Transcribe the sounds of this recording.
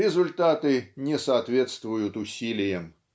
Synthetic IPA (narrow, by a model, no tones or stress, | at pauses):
ɛzʊlʲt̪at̪ɨnʲɛsɐːt̪vʲɛt̪st̪vʊjʊt̪ʊsʲilʲɪjɛm